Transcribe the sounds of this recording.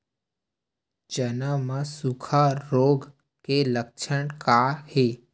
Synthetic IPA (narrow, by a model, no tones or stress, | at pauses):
d͡ʒənamãsukʰaɾoːɡ | kelək̚t͡ʃʰəɳ̃kahiː